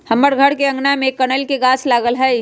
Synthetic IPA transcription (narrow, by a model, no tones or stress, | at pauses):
hɐməɽɡʱəɽkeɐ̃ŋɡnamẽkənəlkeɡaːt͡ʃʰlaːɡəlɦɛ